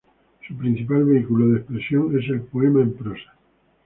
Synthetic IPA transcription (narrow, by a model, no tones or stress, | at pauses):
supɾin̟θipalβeikuloðespɾesjoŋe̞s̬elpoemaẽmpɾosḁ